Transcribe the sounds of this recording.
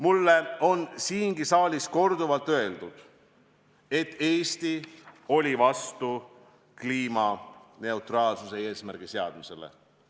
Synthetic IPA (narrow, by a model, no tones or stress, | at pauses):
mulːe̞o̞nsiːŋɡisɑːlʲisko̞rd̪uvɑlt̪ːˑø̞e̞ld̪̥ud̪̥ | e̞t̪ːe̞ːst̪io̞lʲivɑst̪u | kliːmɑne̞ut̪rɑːlsuse̞e̞ːsmærɡ̥ise̞ɑd̪̥mise̞lḛ